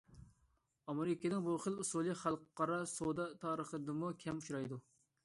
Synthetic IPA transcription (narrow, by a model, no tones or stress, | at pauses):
ɑmeɾɪkʲenɪŋbuχəlˠusulˠɨχɑlˠqqɑɾɑsod̪ɑt̪ʰɑːɾəχəd̪ɨmukʲʰɛmuʃɾɑjd̪u